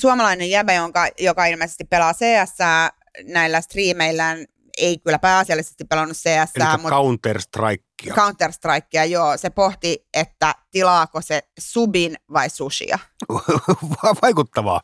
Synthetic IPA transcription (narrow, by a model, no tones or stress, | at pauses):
suomɑlɑinejjæbæjoŋkɑjokɑilmeisest̪ippelɑːseːæsːæː | næilːæst̪riːmeilːæːn | eikylːˑæpæːselːisest̪ippelɑnːusseːæsːæːmukɑunt̪ːerst̪rɑ̰ikːiɑ̰kɑunt̪ːˑerst̪rɑikːiɑjoːsepoht̪iet̪ːæt̪ilɑːkosesubinʋɑisusḭɑ̰ | ʋɑʋɑikut̪ːɑʋɑ̰ː